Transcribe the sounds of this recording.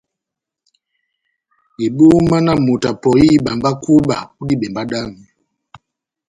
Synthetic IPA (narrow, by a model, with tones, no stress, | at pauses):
i˨bu˦ma˦na˦mu˨ta˨pɔ˨i˦ɓa˨mba˦ku˦ɓa˨u˦di˦bɛ˨mba˦da˦mi˨